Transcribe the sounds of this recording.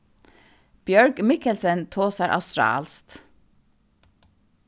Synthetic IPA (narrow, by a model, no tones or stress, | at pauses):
b̥jœɹɡmɪkəlsənt̪ʰoːsæɾʔɑ̰st̪ɾɑ̰ːlst̪